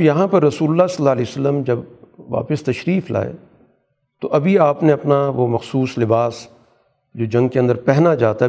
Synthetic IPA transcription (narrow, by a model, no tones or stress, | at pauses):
jɐɦãpɐɾːɐsuːlʊlːasɐlːaːlɛːosəlːəmd͡ʒɐbʋa̰ːpɪst̪ɐʃɾiːfla̰ːḛ | t̪oʔɐbʱiaːpneɐpnaʋomɐxsuːslɪbaːs | d͡ʒoːd͡ʒɐ̃ŋɡ̚keɐ̃nd̪əɾpɛɦnad͡ʒaːt̪aɦɛ